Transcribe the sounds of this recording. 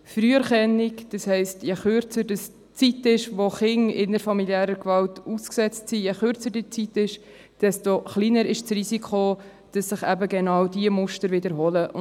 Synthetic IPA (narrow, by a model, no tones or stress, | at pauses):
fɾyːəɾχɛnːɪkd̥ɑshɛɪstjɛχøɾt͡səɾdəs | t͡sitɪʃvoχɪŋɪnəɾfɑmiljæːɾəkvɑltusksɛt͡stsijɛχʏɾt͡sədit͡sitɪʃ | d̥ɛstoχliːnəɾɪʃt͡srisikχo | d̥ɑsːɪχæbəɡɛnɑwdiəmʊʃtəɾvɪdəɾɦoləʔʊ̰